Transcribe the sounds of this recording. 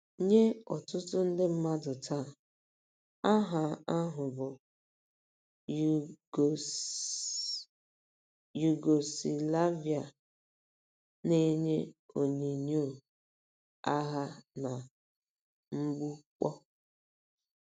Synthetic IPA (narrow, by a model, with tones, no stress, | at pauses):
ɲe˦ɔ˨tʊ˦tʊ˦n̩˦dɪ˦m̩˦ma˦dʊ˨tʰa˦˨ | a˦ɦa˨a˦ɦʊ˨bʊ˨ | ju˨ɡo˨si˨la˦vi˨a˨ | ne˦ɲe˦o˨ɲe˨ɲo˦˨ | a˦ɦa˦na˨ | m̩˦ɡ͡bu˦k͡pɔ˦